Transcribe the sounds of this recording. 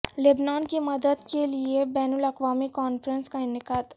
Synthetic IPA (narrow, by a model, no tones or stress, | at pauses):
lɪbnaːnkimɐd̪əd̪keliebɛːnʊlɐkʋaːmikɔːnfɾə̃nskanɪkət̪